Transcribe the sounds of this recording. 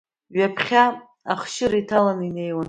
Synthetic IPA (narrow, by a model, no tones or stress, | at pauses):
ɥapʰχʲa | a̰χʃɪɾaitʰalanine̞jwan